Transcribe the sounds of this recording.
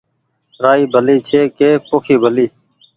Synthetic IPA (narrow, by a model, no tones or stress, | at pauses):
ɾaːiːbʱəliːt͡ʃʰeːkeːpoːkʰiːbʱəliː